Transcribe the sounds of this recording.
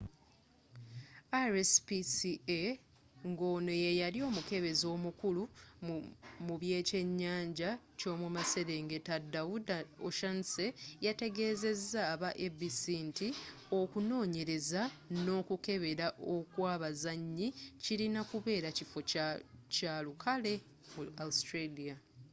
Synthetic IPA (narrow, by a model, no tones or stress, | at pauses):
aɾespisie | ŋɡo̞ːno̞jejalio̞ːmuke̞βe̞zo̞ːmukulu | muβje̞ːce̞ɲːaːɲɟa | co̞ːmumase̞ɾe̞ːŋɡe̞tadawudoʃanse̞jate̞ɡe̞ːze̞zːaːβaʔebisinti | o̞kuno̞ːɲe̞ɾe̞zano̞ːkuke̞βe̞ɾaʔo̞kwaːβazaɲːiciɾinakuβe̞ːɾacifo̞caːlukʰale̞ | muaustɾelia